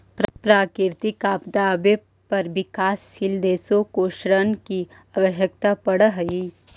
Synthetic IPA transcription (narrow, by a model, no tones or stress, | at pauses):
ppɾaːkɪɾt̪ikaːpd̪aːbe | pɐɾbɪkaːsʃild̪eːsokoʃɾənki | aːwəʃjək̚t̪apɐɽəɦɐi